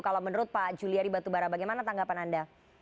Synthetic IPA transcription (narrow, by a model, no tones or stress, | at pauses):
kalamənəɾʊt̪̚pad͡ʒuliaɾibat̪ubaɾabaɡajmanat̪aŋɡapananda